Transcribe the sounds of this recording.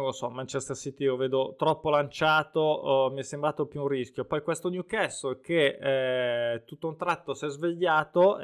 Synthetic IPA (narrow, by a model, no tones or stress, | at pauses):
losɔmant͡ʃɛst̪asit̪iioveːd̪ot̪ɾɔpːolant͡ʃaːt̪omiɛsːembɾaːt̪opjuunrisk̟jopɔjkwest̪onjukɛsoke | t̪ut̪ːount̪ɾat̪ːosɛzveʎːaːt̪o